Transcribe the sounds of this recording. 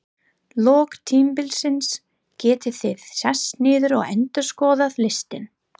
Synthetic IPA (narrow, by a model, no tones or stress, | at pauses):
lɔːkt̪ʰiːmpɪlsɪns | cɛːt̪ɪθɪðsɛsnɪːðʏɾɔ̰ɣɛ̰nt̪ʏɾ̥skɔːðaðlɪst̪ɪn